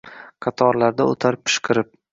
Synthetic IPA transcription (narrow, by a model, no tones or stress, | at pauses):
qʰɑt̪ʰɒɾlaɾd̪aot̪ʰaɾpʰːɪ̥ʃqʰɨɾɪp̚